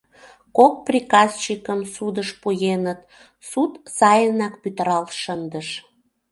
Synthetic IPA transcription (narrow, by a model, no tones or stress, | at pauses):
kok̚prʲikɑst͡ɕikəmsud̪əʃpujenət̪̚ | sut̪sɑjənɑkpyt̪əɾɑlʃənd̪əʃ